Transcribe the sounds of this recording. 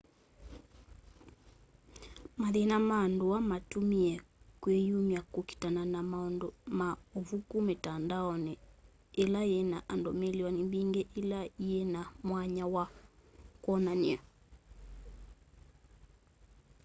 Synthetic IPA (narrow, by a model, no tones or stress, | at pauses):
maðenamaːndowamatumiɛkwejumjakoki̥tananamaɔndɔmaovukumetandaɔnɛ | ɛlajɛnaʔandɔmeliwanibiŋɡɛʔilaenamwaɲawa | kwɔnania